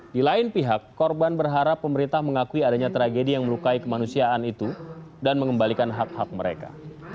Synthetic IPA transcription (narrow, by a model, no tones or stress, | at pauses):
dilaɪnpiɦakːɔrbanbərɦaɾapːəməɾint̪ahməŋakuiadaɲat̪ɾaɡedijaŋməlukaikəmanusiaʔːnit̪udanməŋəmbalikanɦak̚hak̚məɾḛka̰